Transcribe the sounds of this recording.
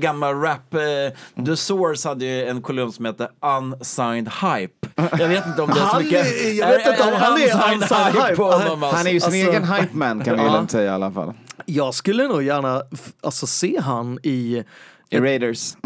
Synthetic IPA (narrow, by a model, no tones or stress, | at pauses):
ɡamːalɾæp | d̪əsɔːɾshad̪ːəjɛnkʰɔlʉmːsɔmheːt̪ːəansajnd̪hajpjɑveːt̪ɪnt̪əɔmɛhanmkːəjɑveːt̪ɪnt̪əɔmhanæansaj̪ajpɔnːɔmahanæjəsɪneːɡənɦajpmænkʰanjalɛmsɛjːaa̰lːafa̰lːjɑːɡskɵlːənuːɡjæːɳaʔalsɔseːɦanɪ | ɪɾɛɪd̪əs